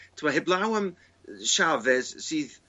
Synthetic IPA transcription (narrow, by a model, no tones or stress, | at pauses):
tʰɪmaɦɪblˠawəm | ʃavɛz̥siːð